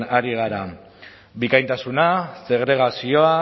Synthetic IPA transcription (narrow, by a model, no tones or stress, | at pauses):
naɾiɣ̞aɾa | bikajnt̪asunase̞ɣɾe̞ɣ̞asio̞a